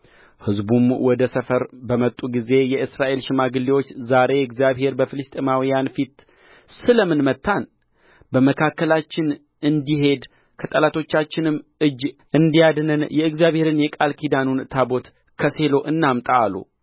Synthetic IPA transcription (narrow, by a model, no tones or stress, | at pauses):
hɨzbumwɔd̪əsəfəɾbəmət̪ʼːuɡize̞jɛʔɨsɾaʔe̞lʃɪmaɡɨlːiwot͡ʃːzaɾe̞ɨɡzijaβhe̞ɾbəfɨlɨst̪ʼimawijanfit̪ | sɨləmɨnmət̪ːan | bəməkʰakːəlat͡ʃːɪn | ɨnd̪iɦe̞d̪ | kʰət̪ʼəlat̪ʰo̞t͡ʃːat͡ʃːɪnɨmʔɨd͡ʒʔɨnd̪ijad̪nɨnjɛɨɡzjaβhe̞ɾɨnjɛkʼalkʰid̪anunt̪ʰabo̞t̪ | kʰəse̞lo̞ʔɨnːamt̪ʼaːlːṵ